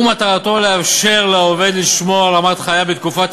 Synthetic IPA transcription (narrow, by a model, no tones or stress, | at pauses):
mat̪aʁat̪o̞le̞afʃe̞ʁleove̞d̪liʃmo̞alamat̪χajabet̪kufat̪